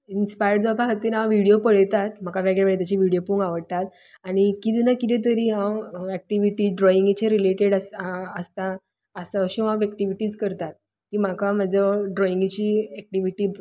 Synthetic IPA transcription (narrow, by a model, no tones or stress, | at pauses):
inspajəɽd͡zapaɦət̪iːnãwʋiɽijopəɭt̪at̪m̤akaʋɛɡɭeʋeɭt̪at͡ɕiʋiɽijopuːŋɡaʋəɽt̪at̪ | aɽ̃ikit̪inakit̪ẽt̪̬əɾiːɦãwɛk̚ʈiʋiʈiːɖɾɔĩŋɡit͡ɕẽɾileʈeɽəsəst̪aː | saəɕiãʋɛk̚ʈiʋiʈiːt͡skəɾt̪at̪̚ | kiːm̤akamad͡zəɖɾɔiŋɡit͡ɕiːɛk̚ʈiʋiʈiː